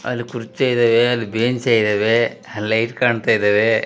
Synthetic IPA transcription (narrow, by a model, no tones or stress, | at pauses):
ɐ̰lːikuɾit͡ʃt̪aːjid̪ɐʋeɐd̪ubeːɲt͡ʃaːjid̪ɐʋelɐjʈkaːɳt̪aːjid̪ɐʋe